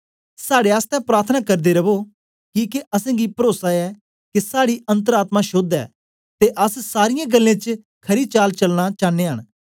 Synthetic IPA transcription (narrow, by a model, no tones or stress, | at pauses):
saːɽeaːst̪ɛ̃pɾaːɾt̪ʰnakɐɾd̪eɾɐbo | kiːkeʔɐsɛ̃ːɡipɾoːsaɛ | kesaːɽiɐ̃nt̪əɾaːt̪mãʃoːd̪ɛ̰ː | t̪eʔəssaːɾɪjãɡəlːẽt͡ʃ | kʰɐɾit͡ʃaːlt͡ʃɐlñat͡ʃaːneːɦəɽ̃